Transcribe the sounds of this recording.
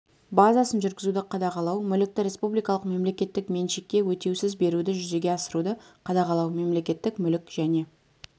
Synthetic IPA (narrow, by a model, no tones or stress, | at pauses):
bazasənʒʏɾɡʲɪzud̪ɪqʰɑd̪ɑqɑlˠɑwmʏlɪk̚t̪ɪɾʲe̞spublijkɑlˠəqme̞mle̞kʲe̞t̪ːɪkme̞nʃekʲːe̞wɵt̪e̞wsɪzbe̞ɾud̪ɪʒʏze̞ɡʲe̞ɑsəɾud̪əqʰɑd̪ɑqɑlˠɑwme̞mle̞kʲe̞t̪ːɪkmʏlɪkʒ̥æne̞